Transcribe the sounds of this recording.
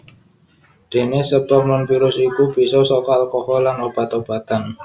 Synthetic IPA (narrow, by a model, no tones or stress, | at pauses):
d̪̥e̤nesəbəmlanfiɾʊsikub̥i̤sɔsokɔalkohɔlanob̥a̤t̪ob̥a̤t̪an